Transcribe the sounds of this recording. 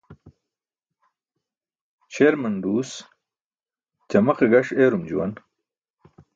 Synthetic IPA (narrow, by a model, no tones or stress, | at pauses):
t͡ɕʰeːɾmɐnɖuːs | t͡ɕɐmɐqeɡɐʂeːɾumd͡ʑṵwɐ̰n